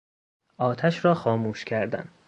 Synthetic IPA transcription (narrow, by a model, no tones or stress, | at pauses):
ʔɒːt̪ʰæʃɾɒːxɒːmuːʃcʰæɾd̪æ̰n